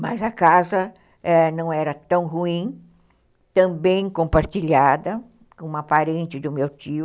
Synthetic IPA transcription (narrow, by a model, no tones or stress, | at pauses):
mɐ̰zɐkazɐ | ɛnɐ̃w̃ɛɾɐt̪ɐ̃w̃ɦuĩ | t̪ɐ̃mbẽj̃kõmpaɾt͡ʃiʎad̪ɐ | kõũmɐpaɾẽnt͡ʃ̪ɪd̪ʊmewt͡ʃiʊ